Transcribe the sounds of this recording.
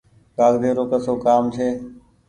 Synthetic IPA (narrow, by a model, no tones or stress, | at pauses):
kaːɡd̪eːɾoːkəsoːkaːmt͡ʃʰeː